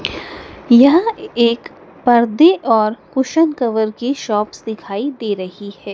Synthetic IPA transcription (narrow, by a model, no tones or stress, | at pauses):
jɐɦeːk | pɐɾd̪eʔɔːɾkʊʃənkɐʋəɾkiʃɔːpsd̪ɪkʰaːid̪eːɾɐhihɛː